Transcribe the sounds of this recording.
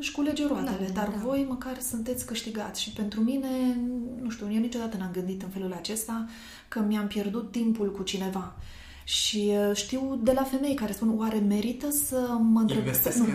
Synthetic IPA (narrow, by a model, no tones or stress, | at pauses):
ʃkule̞d͡ʒeɾoat̪ele̞d̪arvo̞jməkarsunt̪e̞t̪sʲkɨʃt̪iɡa̰t̪sʲʃipe̞nt̪ɾumine̞nuʃt̪iuwjewnit͡ʃo̞d̪at̪ənamɡɨnd̪it̪ɨnfe̞lulat͡ʃe̞st̪a | kəmiampje̞rd̪ut̪ːimpulkut͡ʃine̞va | ʃiʃt̪iwd̪e̞lafe̞me̞jkaɾe̞spunwaɾe̞me̞ɾit̪əsəməɨnt̪ɾebe